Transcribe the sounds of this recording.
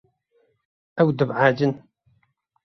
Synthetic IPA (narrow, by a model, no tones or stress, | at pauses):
æwd̪əbʕad͡ʒən